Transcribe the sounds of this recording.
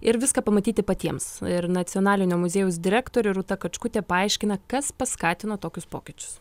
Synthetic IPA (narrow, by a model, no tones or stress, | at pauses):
ɪɾʋʲɪskɐpɐmɐt̪ʲiːt̪ʲɪpɐt̪ʲiɛmsɪɾnɐt̪sʲɪonɑːlʲɪnʲoːmʊzʲeːjʊs̬d̪ʲɪɾʲæːkt̪oːɾʲʊɪɾut̪ɐkɐt͡ʃkʊt̪ʲeɛpɐɐɪʃʲkʲɪnɐkɐspɐskɑːt̪ʲɪnoːt̪oːkʲʊspoːkʲɪt͡ʃʲʊ̥s